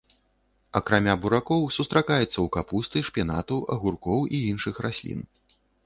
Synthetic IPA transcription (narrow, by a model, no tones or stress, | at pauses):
ɐkɾamʲabuɾakɔwsust̪ɾakajɛt̪sːɐwkapust̪ɨʂpʲanat̪uɐ̰ɣurkɔwiinʂɨxrasʲlʲḭn